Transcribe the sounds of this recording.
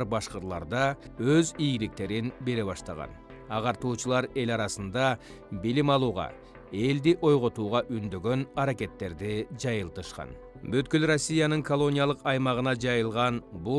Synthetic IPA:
ɾbɑʃqəɾlˠɑ̰ɾd̪ɑøzijɡilik̚t̪e̞ɾinbe̞ɾe̞βɑʃt̪ɑ̰ʁɑ̰n | ɑʁɑɾt̪uːt͡ʃɯlˠɑɾe̞lɑɾɑsɯnd̪ɑ | bilimɑlˠuːʁɑ̰ | e̞ld̪iʔo̞jʁo̞t̪uːʁɑʔynd̪ø̞ɡø̞nɑɾake̞t̪ːe̞ɾd̪id͡ʒɑjɯlˠt̪ɯʃqɑ̰n | bøt̪kylɾosʲːijanɯŋkolˠo̞nʲijalˠɯqɑjmɑʁɯnɑd͡ʒɑjɯlˠʁɑnbu

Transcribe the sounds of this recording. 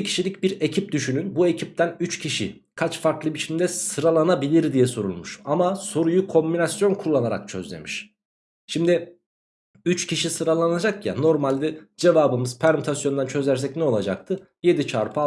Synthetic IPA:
cʰi̥ʃilʲicbiɾe̞cʰip̚d̪yʃynynbue̞cʰip̚t̪ʰænyt͡ʃcʰiʃi | kʰat͡ʃfaɾklˠɯbit͡ʃʰimd̪ɛsɯɾalˠanabilʲiɾd̪ijɛso̞ɾṵlˠmuʃamaso̞ɾujukʰo̞mbinasjo̞nkʰulˠːanaɾa̰k̚t͡ʃʰø̞̰zlʲḛmiʃ | ʃimd̪i | yt͡ʃcʰiʃisɯɾalˠanad͡ʒakja̰no̞ɾmalʲd̪ɛd͡ʒe̞vaːbɯmɯzpʰæɾmut̪ʰasjo̞nd̪ant͡ʃʰø̞zʲæɾs̬ɛcnɛo̞lˠad͡ʒak̚t̪ʰɯ | je̞d̪it͡ʃʰa̰ɾpʰɯ

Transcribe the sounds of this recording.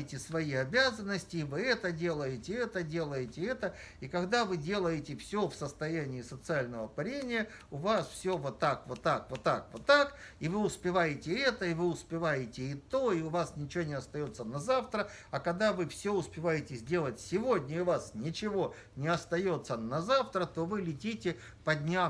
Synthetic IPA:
ɪtʲɪsvɐiɐbʲazənːəsʲtʲɪːvɨɛt̪ədʲe̞lˠəjɪtʲɪɛt̪ədʲe̞lˠəjɪtʲɪɛt̪ə | ikɐɡd̪avɨdʲe̞lˠəjɪtʲɪfsʲofsəst̪ɐjænʲɪːsət̪sɨalʲnəvəpɐɾʲenʲɪjə | ʊvasfsʲovot̪ːakvot̪ːakvot̪ːakvot̪ːakɪvɨʊspʲɪvajɪtʲɪɛt̪əɪvɨʊspʲɪvajɪtʲɪɪt̪o̞ɪʊvasnʲɪt͡ɕɪvonʲɪɐst̪ɐjo̞t̪sːənɐzaft̪ɾəɐkɐɡd̪avɨfsʲoʊspʲɪvajɪtʲɪzʲdʲe̞lˠətʲsʲɪvo̞dʲnʲəʊvasnʲɪt͡ɕɪvo̞ | nʲɪɐst̪ɐjo̞t̪sːənɐzaft̪ɾət̪o̞vɨlʲɪtʲitʲɪ | pɐdʲnʲa

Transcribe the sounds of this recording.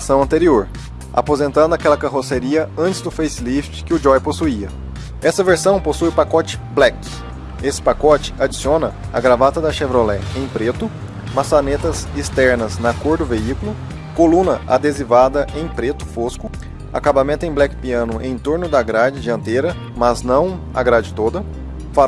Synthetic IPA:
sɐ̃w̃ɐ̃nt̪eɾioɾ | a̰pozẽnt̪ɐ̃nd̪ʊakɛlɐkaɦoseɾiɐɐ̃nt͡ʃɪ̥zd̪ʊfejslift͡ʃɪ̥kɪʊd͡ʒɔjposuiɐ | ɛsɐveɾsɐ̃w̃posujpakɔt͡ʃɪ̥blɛk | esɪ̥pakɔt͡ʃɪ̥ad͡ʒi̥siõnɐ | ɐ̰ɡɾavat̪ɐd̪ɐʃevɾolɛẽj̃pɾet̪ʊ | masanet̪ɐzist̪ɛɾnɐznɐkoɾd̪ʊveikʊlʊ | kolũnɐʔad̪ezivad̪ɐʔẽj̃pɾet̪ʊ̥foskʊ | a̰kabamẽnt̪ʊẽj̃blɛkɪ̥piɐ̃nʊʔḛ̃j̃t̪oɾnʊd̪ɐɡɾad͡ʒɪd͡ʒɪɐ̃nt̪eɾɐ | mɐznɐ̃w̃ | ɐ̰ɡɾad͡ʒɪt̪od̪ɐ | fa

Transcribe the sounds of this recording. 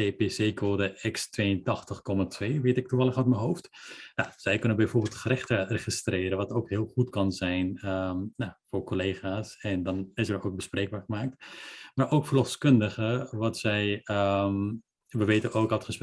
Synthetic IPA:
epeːseːkʰoːdəɛkstʋeːəntɑχtəχkɔmatʰʋeːʋeːtɪk̚tuvɑlˠəχʋɔtmənɦowftnaz̥ɛjkɵnənbɛjvoːɹbɪːlˠtχərɪχtəreχistrɪːɾəʋɑtowkhɪːlˠχutkɑnzɛjnənafoːɹkolejχaːsɛndɑnɪsərowk̚bəsprejɡ̚baːɹχəmaːk̚tmaːɹʔowkfəlɔfskɵndəχəʋɑtsɛjə | ʋəʋeːtənowkɑtχəs

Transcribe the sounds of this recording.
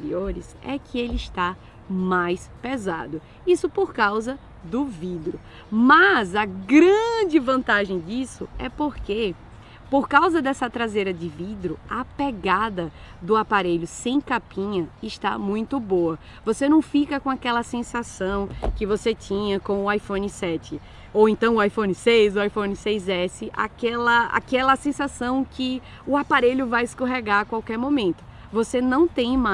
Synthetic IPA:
feɾḭoɾɪ̰sɛ̰kʰɪelɪɪʃt̪a | majspeza̰d̪ʊ | isʊpoɾkawzɐ | d̪ʊvid̪ɾʊ | mɐzɐɡɾɐ̃d͡ʒɪvɐ̃nt̪aʒẽj̃d͡ʒisʊ̰ɛ̰poɾke | poɾkawzɐd̪ɛsɐt̪ɾazejɾɐd͡ʒɪvid̪ɾʊɐpeɡad̪ɐ | d̪ʊapaɾeʎʊsẽj̃kapĩɲɐɪʃt̪a̰mũj̃t̪ʊboɐ | vosenɐ̃w̃fikɐkõakɛlɐsẽsasɐ̃w̃kɪvoset̪ĩɲɐkõʊajfõnɪsɛt͡ʃɪ | owẽnt̪ɐ̃w̃ʊajfõnɪsejzʊajfõnɪsejzɛsɪʔa̰kɛlɐa̰kɛlɐsẽsasɐ̃w̃kɪ | ʊapaɾeʎʊvajɪskoɦeɡaɾkwawkɛɾmõmẽnt̪ʊ̥ | vosenɐ̃w̃t̪ẽj̃ma

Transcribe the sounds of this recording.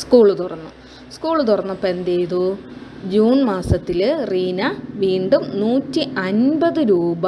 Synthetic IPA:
skuːɭut̪urɐnːu | skuːɭut̪urɐnːɐpe̞nd̪ejðud͡ʑuːɳmaːsɐt̪ːilriːnɐʋiːɳɖumnuːtːiʔɐnbɐðɨɾuːbɐ

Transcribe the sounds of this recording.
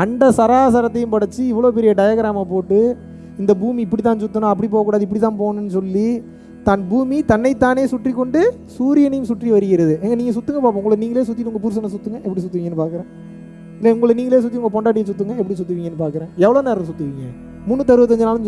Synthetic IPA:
ɐndɐsɐɾaːsɐɾɐt̪ːɐjɯ̃mpɐɽɯt͡ʃːɯɪʋːɐɭoːpɛɾɪjɐɖɐjɐɡɐɾaːmapoːʈːɯ | ɪnd̪ɐbuːmiɪpːɐɽit̪̬ːãːnsʊt̪ːɯnãːɐpːɐɽip̬oːɣɐkːuːɽaːðɯɪp̬ːɐɽit̪ːãːnpoːnʊnːɯsɔlːi | t̪ɐnbuːmit̪ɐnːɐɪt̪ːaːneːsʊʈrikːɔɳɖɯ | suːɾɪjɐnɐjmsʊʈriʋɐɾɯɣɪɾɐðɯɛŋɡɐniːŋɡɐsʊt̪ːɯŋɡɐpaːp̬õʊŋɡɐɭɯkːniːŋɡɐleːsʊt̪ːɪʈɯʊŋɡɐpʊɾɯs̬ɐnɐs̬ʊt̪ːɯŋɡɐʔɛpːɐɽisʊt̪ːɪʋiŋɡɛnːɯpaːɾkɯɾẽː | ɪlːɛʊŋɡɐɭniːŋɐleːs̬ʊt̪ːiʊŋɡɐpɔɳɖaːʈɪjɐsʊt̪̬ːɯŋɡɐɛpːɐɽisʊt̪ːɯʋiŋɡɐnːɯpaːɾkɯɾẽːɛʋːɐɭoːnɛɾɐɐsʊt̪ːɯʋiŋɡɐ | mʊnːɯt̪ɐɾɯʋɐt̪̬ːɐɲd͡ʒɯnaːlɯm

